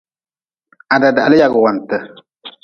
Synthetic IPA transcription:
a˨da˨da˨a̰˨lɪ˦ja˨ɡʊ˨wa˨n˨tə˨

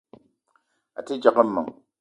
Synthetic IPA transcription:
a̰˨ti˦d͡ʒa˨qə˦mːa̰˨ŋ

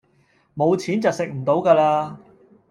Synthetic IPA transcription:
mo˨˧wt͡sʰiː˨˥nt͡sɐ˨wsɪ˨k̚m̩˨˩t̪o˨˥wkaː˧laː˧

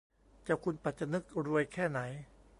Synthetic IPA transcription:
t͡ɕaː˨˩kʰu˧npa˨˩t̪̚t͡ɕːa˧nɯ˦˥k̚ɾu˧əjkʰɛː˥˩na˩˦j

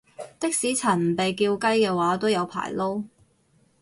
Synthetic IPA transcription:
t̪ɪ˥k̚siː˨˥t͡sʰɐ˨˩nm̩˨˩pe˨jkiː˧wkɐ˥jkɛː˧waː˨˥t̪o˥wjɐ˨˧wpʰa̰ː˨˩jlo˥w

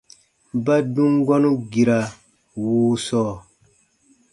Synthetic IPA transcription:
ba˦dũ˦ŋɡɔ˦nu˦ɡi˨ɾa˨ | wuː˦sɔː˦

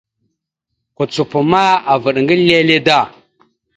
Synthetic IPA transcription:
ku˨t͡su˨pu˨ma˦a˨və˨ɗŋɡə˦le˦le˦da˦˨

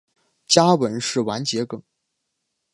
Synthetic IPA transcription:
t͡ɕja˥wə˧˥nʂɻ̩˥˩wa˧˥nt͡ɕjɛ˧˥kɤ˨˩˦ŋ

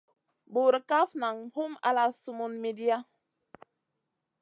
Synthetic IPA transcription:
bu˨ɾə˨ka˦fna˨ŋhu˦ma̰˦la˦su˦mu˦nmi˦di˦a˦

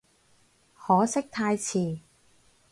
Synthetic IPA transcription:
hɔː˨˥sɪ˥k̚t̪ʰaː˧jt͡sʰiː˨˩

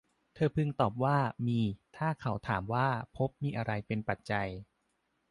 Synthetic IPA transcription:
t̪ʰɤː˧pʰɯ˧ŋt̪ɔː˨˩p̚waː˥˩miː˧t̪ʰaː˥˩kʰa˩˦wt̪ʰaː˩˦mwaː˥˩pʰo˦˥p̚miː˧ʔa˧ɾa˧jpe˧npa˨˩t̪̚t͡ɕa˧j

